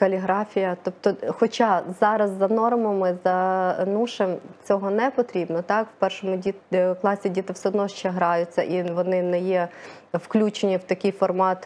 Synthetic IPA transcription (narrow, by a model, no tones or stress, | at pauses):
kɐlʲiɦɾɑfʲijɐt̪ɔp̚t̪ɔxɔt͡ʃɑzɑɾɐzːɐnɔrmɔmɪzɐnuʃemt͡sʲɔɦɔnɛpɔt̪ɾʲibnɔt̪ɑkw̥pɛrʃɔmʊiklˠɑsʲidʲit̪ɪwsɛɔd̪nɔʃt͡ʃɛɦɾɑjʊt͡sʲːɐʔiʋɔnɪnɛjɛwklʲut͡ʃenʲiwt̪ɐkʲɪjfɔrmɑt̪